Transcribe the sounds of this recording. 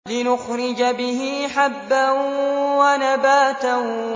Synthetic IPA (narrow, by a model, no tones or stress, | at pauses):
lɪnʊxɾɪd͡ʒabɪhɪħabːanwanabaːt̪an